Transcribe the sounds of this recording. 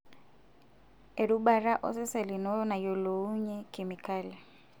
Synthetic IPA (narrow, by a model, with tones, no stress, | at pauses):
e˨ɾu˦ba˨ɾa˦ʔɔ̰˦sɪ˦sɛ˨lɪ˨nɔ˦na˨jo˨lo˨u˦ɲɛ˦kʼɪ˨mi˨kʼaː˦lɛ˨